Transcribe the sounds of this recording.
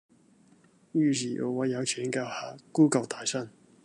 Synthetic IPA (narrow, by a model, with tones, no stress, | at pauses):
jyː˧siː˨˩ʔo̰˨˩wɐ˨˧jɐ˨˧wt͡ʃʰiː˨˥ŋkaː˧whaː˨˩kuː˥˩kɐ˨˧wt̪ʰaː˨˩jsɐ˥n